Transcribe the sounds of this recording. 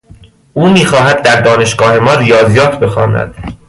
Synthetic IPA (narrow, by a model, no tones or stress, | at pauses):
uːmiːxɒːɦæd̪̚ːæɾd̪ɒːne̞ʃɡ̥ɒːhe̞mɒːɾijɒːzijɒːt̪ʰbe̞xɒːnæ̰d̪̥